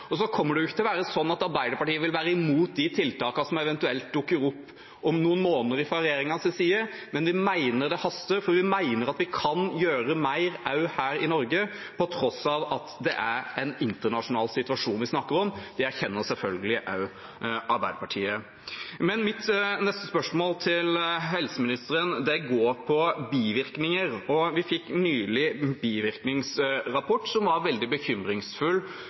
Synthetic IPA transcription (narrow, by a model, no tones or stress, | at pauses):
ɔsɔkʰɔmːəɖɛjʊɪçːət̪ɪlɔʋæːɾəsɔnːɑt̪ɑɾbæɪd̪əɾpɑʈiːəʋɪlʋæːɾəɪmuːt̪̚d̪ɪt̪ʰɪlt̪ɑːkɑsɔmɛʋɛnt̪ʉɛlt̪̚d̪ʉkːəɾɔpː | ɔmnuːənmoːnəɾɪfɑɾɛjeːɾɪŋɑsɪsiːə | mɛnʋɪmæɪnəɾd̪ɛhɑst̪əɾfɔɾʋɪmæɪnəɾɑt̪ʋɪkʰɑnjøːɾəmæɪɾɑʉhæːɾɪnɔɾɡə | pʰɔt̪ʰɾɔsɑʋɑt̪d̪ɛ̰ʔæɾɛɪnɪnt̪əɳɑʂʊnɑːlsɪt̪ʉɑʂuːnʋɪsnɑkːəɾɔmd̪ɪæçɛnːəɾsɛlfœlɡəlɪʔɑʉ | ɑɾbæɪd̪əpɑʈʰiːə | mɛnmɪt̪nɛst̪əspœʂmoːlt̪ʰɪlɦɛlsəmɪnɪst̪əɾənd̪ɛɡoːɾpʰɔbiːʋɪɾknɪŋəɾɔʋɪfɪkːnyːlɪbiːʋɪɾknɪŋsɾɑpʰɔʈːsɔmʋɑɾʋɛld̪ɪbəçʏmɾɪŋsfʉl